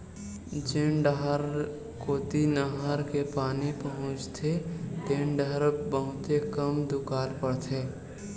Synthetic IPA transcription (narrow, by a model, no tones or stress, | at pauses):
d͡ʒeːɳɖəɦəɾ | koːt̪inəɦəɾkepaːnipəɦʊ̃t͡ʃt̪ʰet̪eːɳɖəəɾbəɦʊt̪ekəmd̪ʊkaːlpəɽt̪ʰeː